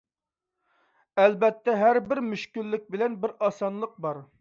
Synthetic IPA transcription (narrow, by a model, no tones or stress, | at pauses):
ɛlbɛt̪ːɛɦæɾbɪɾmyʃkʲylːɪk̚ʲbɪlɛnbɪɾɑsɑnlˠəq̚bɑɾ